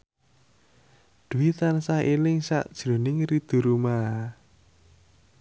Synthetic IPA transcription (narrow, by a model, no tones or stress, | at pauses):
d̪̥ṳit̪ansahelɪŋsa̰ʔd̥ʒ̥ɾo̤nɪŋrid̪̥ṳɾuma